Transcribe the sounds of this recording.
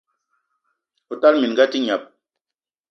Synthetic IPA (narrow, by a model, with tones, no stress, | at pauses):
u˨ta˦lmi˨n˨ɡa˦ti˦ɲa˨p̚